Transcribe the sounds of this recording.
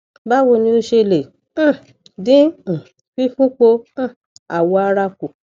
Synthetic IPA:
ba˦wo˧nĩ˧˦o˧ʃe˧lẽ˨˦˨ | dĩ˦˨ | fi˦fũ˦k͡põ˧˦˨ | a˨wɔ˧a˧ɾa˧ko˨

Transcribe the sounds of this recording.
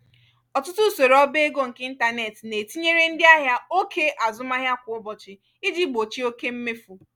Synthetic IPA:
ɔ˨tʊ˦tʊ˦so˨ɾɔ˦be˦e˦ɡo˦ŋ̩˨kɪ˦n̩˦ta˦ne˨tne˨ti˦ɲe˦ɾe˦n̩˦dɪ˦a˦ɦja˦o˦kʰe˦ʔa˨zʊ˦ma˦ɦja˦kʷʊ˨ʊ˦bɔ˨t͡ʃɪ˨ | ɪ˦d͡ʒi˦ɡ͡bo˨t͡ʃi˦o˦ke˦m̩˦me˦fu˨

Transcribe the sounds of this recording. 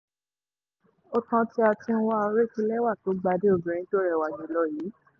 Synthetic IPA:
o˧tã˧ti˧˦a˧tĩ˧ñ̩˦wa˦o˧˦ɾe˦˨kĩ˦lɛ˦wa˦˨to˨˦ɡ͡ba˧˦de˦o˧˨bĩ˧ɾ̃ĩ˧˦to˦ɾɛ˦˨wa˨ɡĩ˨˦lɔ˧˦jiː˨˦

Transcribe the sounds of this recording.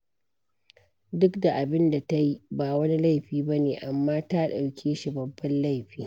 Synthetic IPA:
dʊ˦kda˨ʔa˨bɪ˦nda˨ta˦ji˦baː˨wɐ˦ni˦la˦˨jɸiː˦bɐ˦neː˨ʔa˨mːaː˦ta˦ɗa˨wkʲʰeː˦ʃi˨bɐ˨bːɐ˦nla˦˨jɸiː˦

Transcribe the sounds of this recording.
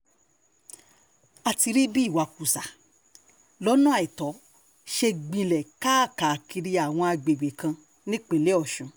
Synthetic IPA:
a˧ti˧ɾi˦bi˦˨wa˨ku˨sa˨ | lɔ˦nũ˦a˨i˨tɔ˨˦ | ʃe˧ɡ͡bĩ˧lɛ˨kaː˦˨ka˨ki˧ɾi˧a˨w̃ɔ̃˧a˧ɡ͡be˨ɡ͡be˨kã˧ | nĩ˦k͡pe˨le˦ɔ˦˨ʃũ˨˦

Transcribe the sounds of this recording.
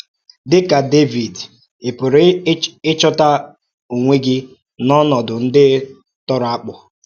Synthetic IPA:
dɪ˦ka˨de˦vi˨d | ɪ˨pʊ˨ɾɪ˦t͡ʃɔ˦ta˦ | u˨ŋʷe˦ɡɪ˦ | nɔ˦nɔ˨dʊ˨n̩˦dɪ˦ | tɔ˦ɾa˦k͡pʊ˨

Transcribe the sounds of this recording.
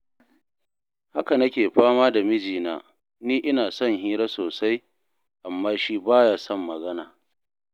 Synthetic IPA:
ha˦ka˨nɐ˦kʲeː˨ɸaː˦maː˦da˨mɪ˦d͡ʒiː˨na̰ː˨ | niː˦ʔɪ˦naː˨sɔ˦ŋɦiː˦ɾaː˦soː˨sa˦j | ʔa˨mːaː˦ʃiː˦baː˦jaː˦sɔ˦mːɐ˨ɡɐ˦naː˨

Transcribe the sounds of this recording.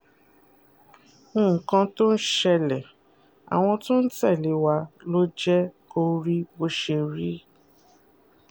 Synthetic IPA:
ũ˦˨kã˧to˦n̩˦ʃɛ˧lɛ˨ | a̰˨w̃ɔ̃˧tũ˦n̩˦tɛ˦˨le˨˦wa˧lo˦d͡ʒɛ˦ko˧ɾi˦bo˧ʃe˧ɾi˦

